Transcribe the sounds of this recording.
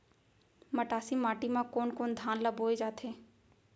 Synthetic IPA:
mɐʈaːsimaːʈimãkoːnkoːnd̪ʱaːnləboːed͡ʒaːt̪ʰeː

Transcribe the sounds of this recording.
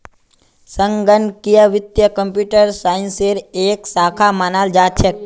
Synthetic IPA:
səŋɡənkijəʋɪt̪jəkə̃mpjuʈəɾsaːɪnseɾeːksaːkʰamaːnald͡ʒaːt̪t͡ʃʰek̚

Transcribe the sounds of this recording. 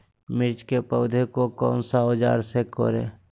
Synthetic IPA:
mɪɾt͡ʃkepəʊd̪ʱekokɔ̰ːnsaɦod͡ʒa̰ːɾseko̰ːɾḛː

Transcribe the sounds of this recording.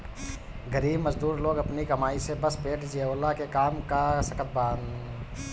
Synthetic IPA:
ɡəɾiːbməzd̪uːɾloːɡɐpnikɐmaːisebəspeːʈd͡ʒieolːakekaːmkasəkət̪̚baːn

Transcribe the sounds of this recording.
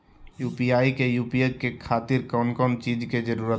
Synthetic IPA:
juːpiaːikejuːpiekekʰaːt̪iɾkɔnkɔnt͡ʃid͡ʒked͡ʒəɾuːɾə

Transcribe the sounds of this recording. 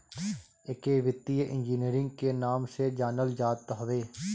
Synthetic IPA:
ekeːʋɪt̪ːijʔɪ̰̃nd͡ʒiːniːɾɪ̃ŋɡkenaːmsed͡ʒaːnəld͡ʒaːt̪ɦɐʋeː

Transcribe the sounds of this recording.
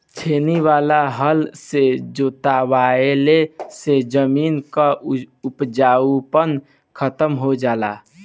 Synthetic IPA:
t͡ʃʰeːniwaːlaɦəlsed͡ʒoːt̪awaːelesed͡ʒəmiːnkaʊpd͡ʒaːupən | kʰət̪əmɦod͡ʒaːla̰

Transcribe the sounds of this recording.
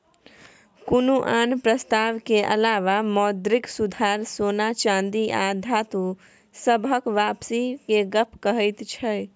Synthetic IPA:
kunuʔaːnpɾəst̪aːʋkeʔə̰laːʋamɔːd̪ɾɪksud̪ʱaɾsoːnat͡ʃãːnd̪iʔaːd̪ʱat̪u | səbʱəkʋaːpsikeɡəpʰkəɦəɪt̪t͡ʃʰɛ

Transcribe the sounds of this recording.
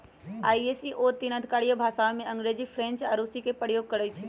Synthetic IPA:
aːiesiʔot̪inəd̪ʱikaːɽijəbʱaːsaʋmẽɐ̃ŋɡɾed͡ʒifʰɾẽnt͡ʃaːɾusikepəjoːɡ̚kəɽəjt͡ʃʰe

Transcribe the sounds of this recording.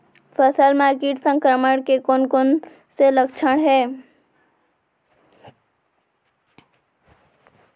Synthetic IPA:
pʰəsəlmaːɾkeːʈsə̃ŋkɾəməɽ̃kekonkon | seləkt͡ʃʰəɽ̃ɦɛː

